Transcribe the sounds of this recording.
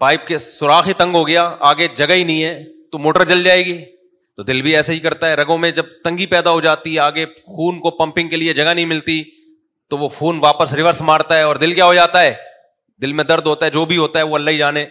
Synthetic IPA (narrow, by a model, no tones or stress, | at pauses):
paːɪp̚kesʊɾaːxɦit̪ɐ̃ŋɡɦoɡɐjaaːɡed͡ʒɐɡaɦinɐɦĩɦɛːt̪omoːʈəɾd͡ʒɐld͡ʒaːeːɡiː | t̪od̪ɪlbʱiɛːsaɦikɐɾt̪aɦɛɾɐɡõmẽd͡ʒɐb̚t̪ɐ̃ŋɡipɛːd̪aɦod͡ʒaːt̪iɦɛaːɡe | xuːnkopɐ̃mpɪ̃ŋɡ̚kelied͡ʒɐɡanɐɦĩmɪlt̪i | t̪oʋoxuːnʋaːpəsɾɪʋəɾsmaːɾt̪aɦɛɔːɾd̪ɪlkjaːɦod͡ʒaːt̪aɦɛː | d̪ɪlmẽd̪ɐɾd̪ɦoːt̪aɦɛd͡ʒoːbʱiɦoːt̪aɦɛʋoɐlːaɦid͡ʒaːneː